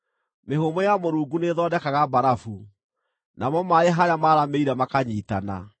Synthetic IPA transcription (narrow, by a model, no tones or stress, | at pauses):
mehomɔjamoɾuːɡuneðɔːdɛkaɣabaɾafu | namɔmaeɦaɾjamaːɾameiɾamakaɲiːtana̰